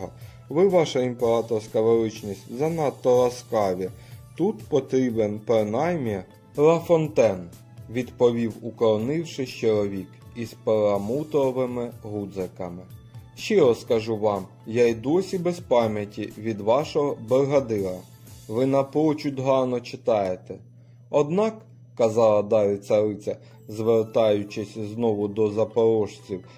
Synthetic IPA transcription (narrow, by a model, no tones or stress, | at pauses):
ɦɔ | ʋɪʋɑʃɐimpeɾɑt̪ɔrsʲkɐʋɔɾɪt͡ʃnʲisʲtʲzɐnɑt̪ːɔɾɐskɑʋʲit̪ut̪pɔt̪ɾʲibenpɾɪnɑjmjɛ | ɾɐfɔnt̪ɛn | ʋʲid̪pɔʋʲiwʊkɔɾɔnɪwʃɪʃt͡ʃɔɾˠɔʋʲik | izpeɾɐmut̪ɔɔʋɪmɪɦud̪zekɐmɪ | ʃt͡ʃɪɾɔskɐʒuʋɑm | jajd̪ɔsʲibɛspɑmʲjɐtʲiʋʲid̪ʋɑʃɔɦɔbeɦɐd̪ɪɾɐ | ʋɪnɐpɔt͡ʃʊd̪ɦɑrnɔt͡ʃɪt̪ɑjet̪ɛ | ɔd̪nɑkː | ɐzɑlˠɐd̪ɑɾɪsɐɾɪt͡sʲɐ | zʋert̪ɑjʊt͡ʃɪsʲznɔʋʊd̪ɔzɐpɔɾɔʃt͡sʲiw